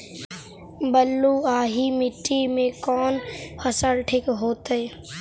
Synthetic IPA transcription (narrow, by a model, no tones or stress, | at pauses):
bəlːuaːɦimɪʈːimẽkɔːnfʰəsəlʈʰɪkɦoːt̪e